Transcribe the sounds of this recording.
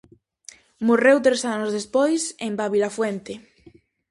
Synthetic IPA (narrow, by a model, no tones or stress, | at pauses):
morewt̪ɾesanozðespojsembaβilafwent̪ɪ